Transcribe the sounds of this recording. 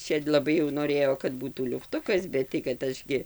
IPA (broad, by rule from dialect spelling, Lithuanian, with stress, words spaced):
ˈt͡ʃʲɛ lˠɐˈbɐɪ jɛʊ noːˈrʲeːjoː kɐt ˈbuːtuː lʲʊfˈtʊkɐs ˈbʲɛt tɐɪ kɐt ˈɐʃ ɡʲɪ